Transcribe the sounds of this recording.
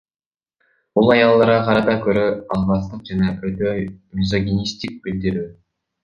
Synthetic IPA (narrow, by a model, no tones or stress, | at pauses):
bulˠɑjɑlˠːɑɾʁɑqʰɑɾɑt̪ɑkʲʰɵɾøɑlˠmɑst̪əqʒænɑʔɵt̪ømʲɪzoɡʲenist̪ik̚bɪld̪ɪɾy